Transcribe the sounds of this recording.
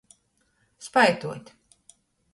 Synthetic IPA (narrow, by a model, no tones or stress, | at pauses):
spajt̪uɔt̪ʲ